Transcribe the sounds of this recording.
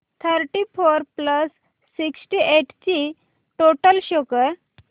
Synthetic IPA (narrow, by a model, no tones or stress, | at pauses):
t̪ʰəɾʈifoɾpləsː | iksʈieʈt͡ɕi | ʈoʈəlɕɔkəɾ